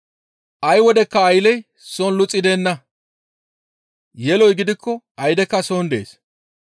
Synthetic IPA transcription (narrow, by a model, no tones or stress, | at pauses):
ʔɐjwɔd̪ɛkːɐːjlɛj | sonlʊt͡sʼːɪd̪eːnːɐ | jɛlɔjɡɪd̪ɪkʰːɔʔɐjd̪ɛkːɐsoːnd̪e̞̰ːs